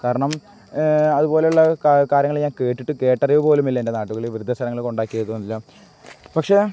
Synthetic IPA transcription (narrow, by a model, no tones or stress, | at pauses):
kaːɾɐɳɐm | ɐðubo̞ːlejuɭːɐkaːɾjɐŋːɐɭɲaːnke̞ːʈːiʈːɨke̞ːʈːɐriʋupo̞ːlumilːɐende̞naːʈːuɣɐɭiʋrud̪ʱːɐst̪ʰɐɾɐŋːɐɭko̞ɳɖaːkːijɐðːuonːilːɐ | pɐkʂe̞